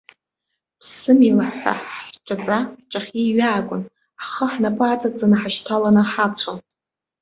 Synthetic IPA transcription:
pʰsɨmilaħʷa̰ħʈ͡ʂʷʼat͡sʼaħʈ͡ʂʼaχʲiɥaːkʷʼʊn | aχəħnapʼaːt͡sʼat͡sanɨħaʃtʰalanɨħat͡ɕʷʰan

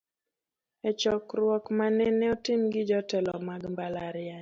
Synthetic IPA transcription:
ɛt͡ʃɔkɾwɔkmanɛnɛɔtɪmɡɪd͡ʒɔtɛlɔmaɡmbalaɾɪa

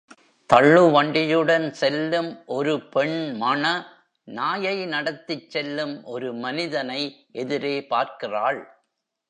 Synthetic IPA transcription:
t̪ɐɭːɯʋɐɳɖɪjɯɽɐnsɛlːɯmʔɔɾɯpɛɳmɐɳɐ | naːjɐɪnɐɽɐt̪ːɪt͡ʃːɛlːɯmʔɔɾɯmɐnɪðɐnɐɪʔɛðɪɾeːpaːɾkɪraːɭ

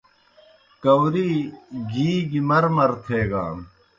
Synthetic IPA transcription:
kɐwɾiɡiːɡimɐɾmɐɾt̪ʰeːɡa̰ːm

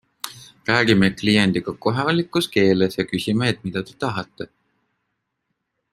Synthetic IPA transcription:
ræːɡ̥imeklijend̪̥iɡ̥ɑko̞ɦevɑlʲikːˑuske̞ːlesjɑkysʲimeːt̪̚ˑmid̪̥ɑt̪e̞t̪ɑɦɑt̪ːˑe

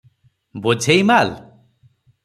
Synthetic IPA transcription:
bod͡ʒʱejmal

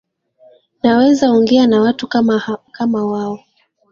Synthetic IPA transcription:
nawɛzauŋɡɛanawatukamawaɔ

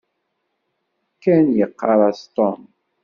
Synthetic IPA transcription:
kːænjəqːɑɾˤɑst̪ɔm

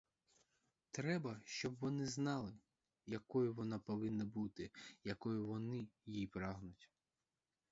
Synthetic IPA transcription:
t̪ɾɛbɐʃt͡ʃɔbʋɔnɪznɑlˠɪ | jɐkɔjʊʋɔnɑpɔʋɪnːɐbut̪ɪjɐkɔjʊʋɔnɪjijpɾɑɦnʊtʲ

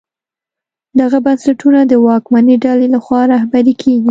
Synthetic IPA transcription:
d̪aɣabansaʈunad̪əwɑkmaniɖalelaxwɑɾahbaɾikʰeɡi

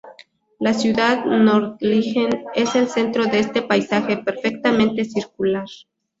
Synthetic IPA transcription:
lasjuðaðnoɾt̪lixene̞se̞lse̞nt̪ɾo̞ðeest̪e̞pajsaxe̞pe̞ɾfe̞k̚t̪amẽnt̪e̞siɾk̚ulaɾ

